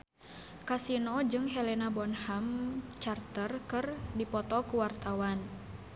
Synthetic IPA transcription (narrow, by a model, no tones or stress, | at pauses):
kasinɔd͡ʒɨŋɦɛlɛnabɔnhamt͡ʃart̪ərkɨrdipɔt̪ɔkuwart̪awan